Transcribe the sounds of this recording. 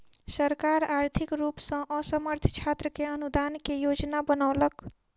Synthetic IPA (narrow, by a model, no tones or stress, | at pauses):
səɾkaɾaɾt̪ʰikɾupsə̃ʔəsəməɾt̪ʰt͡ʃʰat̪ɾəkeənud̪ankejod͡ʒnabənaʊlək